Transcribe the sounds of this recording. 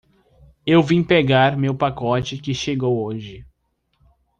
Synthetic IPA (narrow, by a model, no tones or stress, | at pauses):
ewvĩpeɡaɾmewpakɔt͡ʃɪkɪʃeɡowoʒɪ